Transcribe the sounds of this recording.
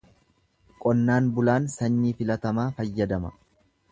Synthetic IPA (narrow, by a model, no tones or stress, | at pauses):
kʼɔnːaːnbʊlaːnsɐnːiːfɪlɐt̪ɐmaːfɐjːɐd̪ɐmɐ